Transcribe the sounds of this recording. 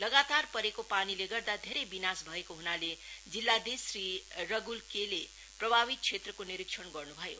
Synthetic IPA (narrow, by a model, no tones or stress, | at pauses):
lʌɡat̪arpʌɾekopanileɡʌrd̪ad̪ʱeɾejbinasbʱʌekoɦunaled͡zilːad̪isrirʌɡulkele | prʌbʱaβit̪̚t͡ʃʰet̪rʌkoniɾiksʰʌnɡʌrnubʱʌjo̰